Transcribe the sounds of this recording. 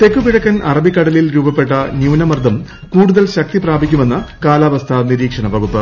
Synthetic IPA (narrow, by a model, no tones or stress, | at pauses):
t̪e̞kːupiɽɐkːɐnʔɐrɐbʱikːɐɽɐlilɾuːbɐpːe̞ʈːɐnjuːnɐmɐrd̪ʱɐm | kuːɽuðɐlɕɐk̚t̪ipraːbʱikʲːume̞nːɐkaːlaːʋɐst̪ʰɐniɾiːkʂɐɳɐʋɐɣupːɨ